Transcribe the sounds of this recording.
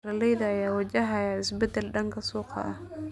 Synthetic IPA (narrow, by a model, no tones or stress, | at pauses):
ɐlɛjðɐːjaːwɐd͡ʒɐɦajaɪsbɛd̪ɛlɖɐŋkʰɐsɔːqʰɑ̰ʔɐ̰